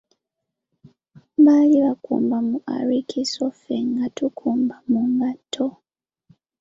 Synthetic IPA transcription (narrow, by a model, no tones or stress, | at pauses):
βaliβakṵːmbamuʔa̰ɾikʰisofeŋɡatukʰuːmbamuŋɡatʰːo